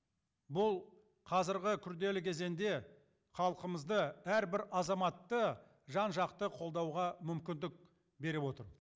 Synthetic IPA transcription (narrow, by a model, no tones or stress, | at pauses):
bʊlˠ | qʰɑzɪɾʁɪkʲʰʏɾd̪e̞lɪkʲʰe̞ze̞nd̪e̞ | χɑlˠqəməzd̪əæɾbɪɾɑzɑmɑt̪ːə | ʒɑnʒɑqt̪əqʰo̞lˠd̪ɑwʁɑmʏmkʲɪnd̪ɪk̚ | be̞ɾɪwo̞t̪əɾ